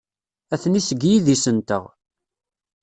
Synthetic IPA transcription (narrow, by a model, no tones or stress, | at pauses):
æθnisəɡjiðisənt̪ə̰ʁ